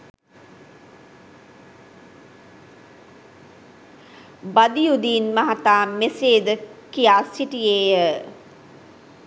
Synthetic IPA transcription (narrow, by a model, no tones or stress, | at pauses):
bad̪ijud̪iːnmaɦat̪aːmeseːd̪əkijaːsiʈijeːjə